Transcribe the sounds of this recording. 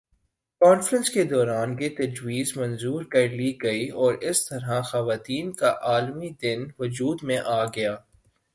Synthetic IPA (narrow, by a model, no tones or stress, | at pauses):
kɔːnfɾə̃nsked̪ɔːɾaːnjet̪ɐd͡ʒwiːzmɐ̃nzuːɾkɐɾliɡɐiɔːɾɪst̪ɐɾɦaxɐʋaːt̪iːnkaʔaːlmid̪ɪnʋʊd͡ʒuːd̪mẽʔaːɡɐjaː